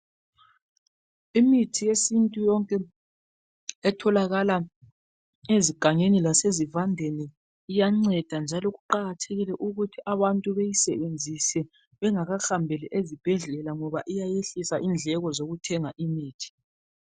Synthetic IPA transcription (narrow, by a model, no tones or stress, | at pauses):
imitʰijesintʼujɔŋkʼɛ | ɛtʰɔlaɣala | eziɡ̥ʱaŋenilasezivandʱeniː | jaŋ͡ǀɛd̥ʱand͡ʒʱalɔɣuǃaɣatʰeɣilɛʔuɣutʰiʔaβantʼuβejisɛβend͡zʱisɛ | βɛŋaɣaxambʱɛlɛʔezib̥ʱɛɮɛlaŋɔβaʔijajeɬisaʔind͡ɮʱɛɣɔzoɣutʰɛŋaʔimiːtʰi̥